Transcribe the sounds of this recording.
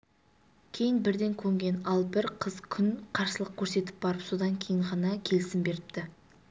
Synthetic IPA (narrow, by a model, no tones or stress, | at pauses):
kʲʰe̞jɪnbɪɾd̪e̞ŋkʲʰɵŋɡʲe̞nɑlˠbɪɾqʰəz̥kʲʰʏnqʰɑɾsəlˠəq̚kʲʰɵɾse̞t̪ɪ̥p̚bɑɾəpso̞d̪ɑŋkʲʰe̞jɪɴʁɑnɑkʲʰe̞lɪsɪmbe̞ɾɪpt̪ɪ